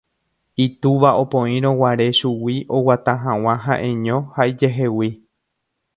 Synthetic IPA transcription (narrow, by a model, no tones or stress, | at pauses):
it̪uʋaʔopõĩɾ̃õwaɾe̞ʃuwiʔo̞wat̪ãɦãw̃ãɦaʔẽ̞ɲõhaid͡ʒeɦe̞wi